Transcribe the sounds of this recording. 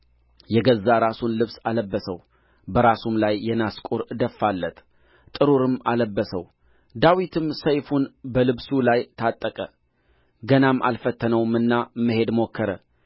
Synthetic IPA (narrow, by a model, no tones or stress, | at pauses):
jɛɡəzːaɾasunlɨβsaləbːəsəw | bəɾasumlajːɛnaskʼuɾd̪əfːalːət̪ | t̪ʼːɨɾuɾɨmaləbːəsə̰w | d̪awit̪ʰɨmsəjfunbəlɨβsulajt̪ʰat̪ʼːəkʼə | ɡənamʔa̰lfət̪ːənəwmɨnːaməhe̞d̪mokʰːəɾə